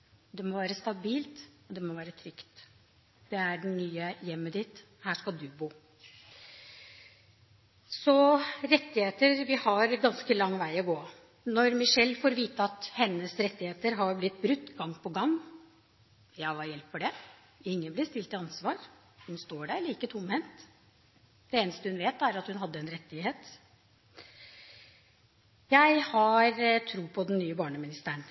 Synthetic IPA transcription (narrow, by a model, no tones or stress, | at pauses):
d̪ɛmɔʋæːɾəst̪ɑbiːlt̪ɔd̪ɛmɔʋæːɾət̪ʰɾʏkt̪ | d̪̥ɛæɖɛnnyːəjɛmːəd̪ɪt̪ | hæːʂkɑld̪ʉbuː | sɔɾɛt̪ːɪheːt̪əɾʋɪhɑɾɡɑnskəlɑŋːʋæɪɔɡoː | nɔɾmɪʂɛlːfoːɾʋiːt̪əɑt̪hɛnːəsɾɛt̪ːɪheːt̪əɾɦɑɾblɪt̪̚ːbɾʉt̪ːɡɑŋːpʰɔɡɑŋː | jæɪʋɑjɛlpːɔɖɛ | ɪŋːənblɪst̪ɪlt̪ɪɑnsʋɑːɾ | hʉnst̪oːɖæɾɭiːkət̪ʰʊmhɛnt̪ | d̪ɛeːnəst̪əhʉnʋeːt̪ːæɾɑt̪hʉnɦɑd̪ːəɛnɾɛt̪ːɪɦeːt̪ | jæɪhɑɾt̪ʰɾuːpʰɔd̪ɛnːyːəbɑːɳəmɪnɪst̪əəɳ